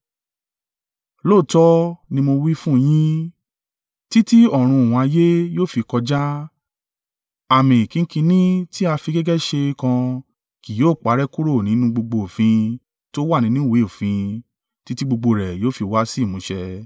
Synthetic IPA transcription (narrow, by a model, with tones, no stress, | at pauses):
loː˦˨tɔ˦nĩ˧mo˧wi˦fũ˦˧j̃ĩ˦ | ti˦ti˦ɔ˦˨ɾ̃ũ˧˨w̃ɔ̃˨˧a˧je˦joː˦˨fi˧kɔ˧d͡ʒa˦ | a˨mĩ˨i˨kĩ˧˦kĩ˧nĩ˦ti˦a˧fi˧ɡɛ˦ɡɛ˦ʃe˧kã˧ | ki˨joː˨˦˨k͡pa˨˦ɾɛ˦ku˦ɾo˦˨nĩ˨˦nũ˦ɡ͡bo˧ɡ͡bo˧o˨fĩ˧ | to˦wa˦˨nĩ˨˦nũ˦˨we˨˦o˨fĩ˧ | ti˦ti˦ɡ͡bo˧ɡ͡bo˧ɾɛ˨joː˦fi˧wa˦si˦˨mũ˨˦ʃɛ˧